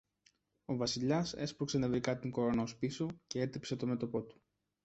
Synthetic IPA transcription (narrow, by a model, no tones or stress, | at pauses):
o̞vɐsiʎɐse̞spɾokse̞nɐvɾikɐt̪iŋko̞ɾo̞nɐospiso̞ce̞e̞t̪ipse̞t̪o̞me̞t̪o̞po̞t̪u̥